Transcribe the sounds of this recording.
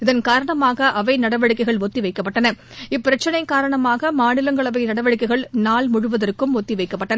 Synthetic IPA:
ɪðɐnkaːɾɐɳɐmaːɣɐʔɐʋɐɪnɐɽɐʋɐɽɪkːɐɪɣɐɭʋɔt̪ːiʋɐɪkːɐpːɐʈːɐnɐ | ɪpːɪɾɐt͡ʃːɐnɐɪkaːɾɐɳɐmaːɣɐmaːnɪlɐŋɡɐɭɐʋɐɪnɐɽɐʋɐɻɪkːɐɪɣɐɭnaːlmʊɻʊʋɐðɐrkɯmɔt̪ːiʋɐɪkːɐpːɐʈːɐnɐ

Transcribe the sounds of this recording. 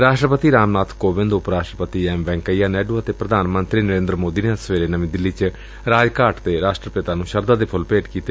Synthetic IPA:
ɾaːʃʈɾəpət̪iːɾaːmnaːt̪ʰkoːbɪ̃nd̪ʊpɾaːʃʈɾəpət̪iːɛːmʋɛ̃ːŋkəijaːnɛːɖuːət̪eːpɾəd̪ʱaːnmə̃nt̪ɾiːnəɾẽːnd̪ɾəmoːd̪iːneəsʋeːɾeːnəmĩːd̪ɪlːiːt͡ʃ | ɾaːd͡ʒkaːʈt̪eɾaːʃʈɾəpɪt̪aːnũːʃəɾd̪aːd̪eːpʰʊlpeːʈkiːt̪e

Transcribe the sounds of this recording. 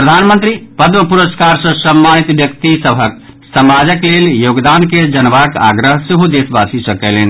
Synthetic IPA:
pɾəd̪ʱanmənt̪ɾipəd̪məpuɾəskaɾsə̃səmːanit̪bjək̚t̪isəbʱək | səmad͡ʒəkleljoːɡd̪anked͡ʒənbaka̰ɡɾəɦsiɦud̪esbasisəkɛlen

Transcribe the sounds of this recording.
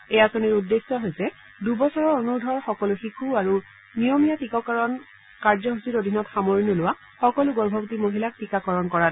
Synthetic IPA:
ejasoniɹudːesːɔɦojsɛ | dubɔsɔɹɔonuɹdʱɔɹxɔkɔluxikʰuaɹu | nijɔmijatikɔkaɹɔn | kaɹzɔɦusitodʱinɔtxamoɹinulʊwa | xɔkɔlʊɡɔɹbʱɔbutimoɦilak̚tikakɔɹɔnkɔɹat

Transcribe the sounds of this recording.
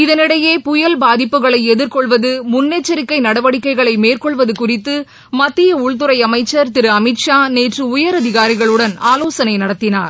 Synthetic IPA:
ɪðɐnɪɽɐjeːpʊjɐlbaːðɪpːɯɣɐɭɐɪɛðɪɾkɔɭʋɐðɯmʊnːeːt͡ʃːɐɾɪkːɐɪnɐɽɐʋɐɽɪkːɐɪɣɐɭɐɪmeːrkɔɭʋɐðɯkʊrɪt̪ːɯ | mɐt̪ːɪjɐʊɭt̪ɯɾɐɪɐmɐɪt͡ʃːɐɾt̪ɪɾɯɐmɪʈʂaːneːʈrɯʊjɐɾɐðɪɣaːɾɪɣɐɭɯɽɐnaːloːsɐnɐɪnɐɽɐt̪ːɪna̰ːɾ

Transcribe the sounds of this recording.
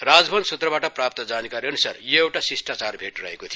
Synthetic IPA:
rad͡zbʱʌnsut̪rʌbaʈʌprap̚t̪ʌd͡zanikaɾiʌnusa̰rjeewʈasisʈat͡sarbʱeʈrʌɦekot̪ʰij

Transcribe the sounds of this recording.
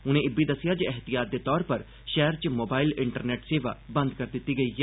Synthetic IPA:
ʊnẽːɪbiːd̪əsɪjaːd͡ʒɛɦt̪ɪjaːt̪̚d̪eːt̪ɔːɾpəɾ | ʃɛːɾt͡ʃmoːbaːilɪɳʈəɾneːʈseːʋa̰ːbə̃nd̪kəɾd̪ɪt̪ːiːɡəiːɛː

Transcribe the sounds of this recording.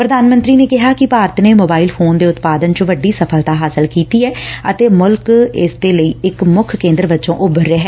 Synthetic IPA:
pɾəd̪aːnmə̃nt̪ɾiːneːkɪɦaːkɪpaːɾət̪neːmoːbaːilpʰoːnd̪eːʊt̪paːd̪ənt͡ʃʋəɖːiːsəpʰəlt̪aːɦaːsəlkiːt̪iːɛːət̪eːmʊlkɪsd̪eːləiːɪkmʊkʰkẽːnd̪əɾbətːt͡ʃõːʔʊbəɾːeɦɛː

